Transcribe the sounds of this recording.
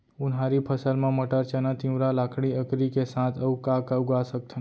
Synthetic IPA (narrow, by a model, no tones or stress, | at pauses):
ʊnɦaːɾipʰəsəlmãməʈəɾt͡ʃənat̪ĩwɾalaːkʰɽ̃iəkɾikesãt̪ʰəukakauɡasək̚t̪ʰən